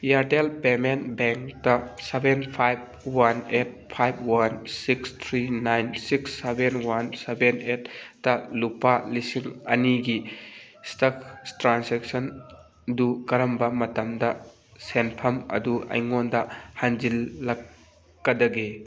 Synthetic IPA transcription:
jaɾdelpemenbeŋktɐsebʱenpʰajb̚ | wanet̚pʰajb̚wansikst̪ʰɾinajnsiksːebʱenwansebenetːɐlupalisiŋɐ̰niɡi | stɐktɾanseksɐn | dukɐɾɐmbɐmɐtɐmdɐ | senpʰɐmɐ̰duɐ̰jŋondɐhand͡ʒilːɐkː | ɐdɐɡe

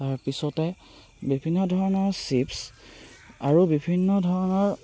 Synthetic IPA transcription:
taɹpisɔtɛ | bibʱinːɔdʱɔɹɔnɔɹsips | aɹubibʱinːɔdʱɔɹɔnɔɹ

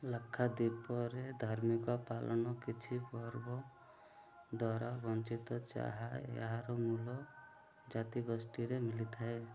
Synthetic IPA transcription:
lakʰːad̪ipɔɾed̪ʱaɾmikɔpalʔɔnɔkit͡ʃʰibɔɾbɔ | d̪waɾabɔnt͡ʃit̪ɔt͡ʃa̰ɦaḛɦaɾɔmulɔ | d͡ʒat̪iɡɔsʈiɾemilit̪ʰae

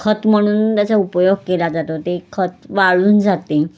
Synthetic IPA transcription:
kʰət̪m̤əɽ̃uːnt̪jat͡saupəjoɡ̚kelad͡zat̪ot̪ekʰət̪ʋaɭuːnd͡zat̪e

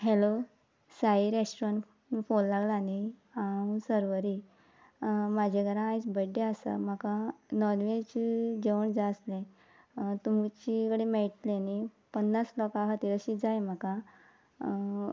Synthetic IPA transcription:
ɦelo | saiɾesʈɾãɳʈ | fonlaɡlaːniasəɾʋəɾi | mad͡ʑʱeɡəɾãːjt͡sbəɖːeasa̰m̤akãnɔɾʋet͡ɕd͡ʑeʋəɳd͡zaəslẽ | t̪um̤t͡ɕikəɽemeɭʈ̪leani | pənːaslɔkaɦət̪iɾəɕid͡zajm̤akã

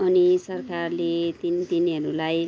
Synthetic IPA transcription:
ʌnisʌrkarlet̪int̪iniɦʌɾulaj

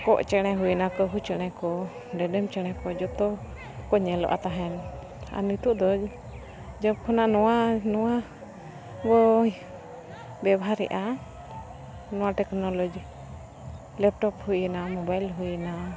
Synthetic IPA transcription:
kɔʔt͡ʃɛɽ̃ɛ̃ɦunakɔɦut͡ʃɛɽ̃ɛ̃kɔ | ɖɛɖɛmt͡ʃɛɽ̃ɛ̃kɔd͡ʒɔt̪ɔ | kɔɲɛlɔ̰ʔa̰t̪aɦɛn | a̰nit̪uʔd̪ɔ | d͡ʒɔp̚kʰɔnaʔnɔwanɔwa | bɔ | bɛbɦaɾɛ̰ʔa | nɔw̃aʈɛknɔlɔd͡ʒ | lɛp̚ʈɔphujnamɔbajlɦujna

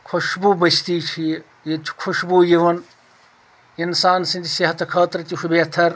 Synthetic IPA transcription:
kʰoʃbubɐst̪iːt͡ʃʰi | jet͡ʃʰu̥kʰuʃbuːjiʋɐn | insaːnsĩnt̪ʰiseɦɐt̪kʰaːt̪ɾɐt̪iɦʰubeːt̪ʰɐɾ

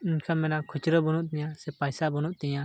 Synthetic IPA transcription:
iɲkʰamɛnakʰɔt͡ʃɾɔbɔnuʔt̪ɛjasɛpajsabɔnuʔt̪ɛja

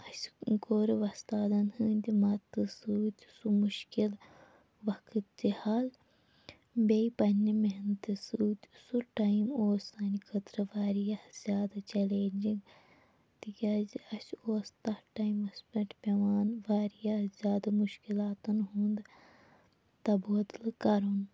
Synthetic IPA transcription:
ɐsɡoːɾiʋɐst̪aːd̪ɐnhɨːnʲd̪imɐt̪ːɨsuːt̪ʲsumuʃkil | ʋɐkʰɨt̪d͡ʒ̪ihaːl | beipɐnʲːimeɦnt̪ɨsuːt̪ʲsuʈɐjimoːsɐnikʰɐt̪ɾɐʋaːɾijɐhz̥ʲjaːd̪ɐt͡ʃɐleːnʲd͡ʒiŋɡ | t̪ikʲɐzɐsoːst̪ɐhʈɐjmɐsʲpʲɐʈpʲɐʋaːnʋaːɾijɐhzʲjaːd̪ɐmuʃkilaːt̪ɐnɦuːnd̪ | t̪ɐboːd̪lkɐɾun

